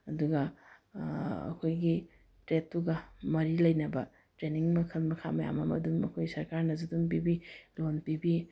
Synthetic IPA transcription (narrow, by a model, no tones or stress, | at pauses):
ɐduɡɐ | ɐ̰kʰojɡi | tɾetːuɡɐmɐɾilɐjnɐbɐ | tɾeniŋmɐkʰɐlmɐkʰa̰mɐja̰mɐ̰mɐ̰dunmɐkʰojsɐɾkaɾnɐzudunp̬ibilonpibi